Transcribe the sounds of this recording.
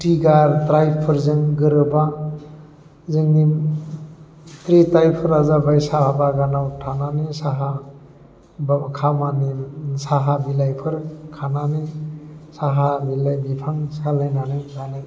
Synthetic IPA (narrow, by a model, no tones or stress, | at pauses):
tiɡaɾtɾajpʰɯɾzɯŋɡɯɾɯba | zɯŋdim | tɾitajpʰɯɾazabajsaabaɡanawtʰananisaɦa | bkʰamanisaɦabilajpʰɯɾkʰananɯsaɦabilajbipʰaŋsalajnanɯzanɯ